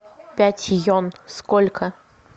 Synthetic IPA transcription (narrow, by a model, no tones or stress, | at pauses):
pʲætʲjonskolʲkʰə